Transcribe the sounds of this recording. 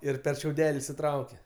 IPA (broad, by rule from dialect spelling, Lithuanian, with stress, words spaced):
ˈɪr pʲɛr ʃʲɛʊˈdʲæːlʲɪ ɪʃʲsʲɪˈtrɐʊkʲɛ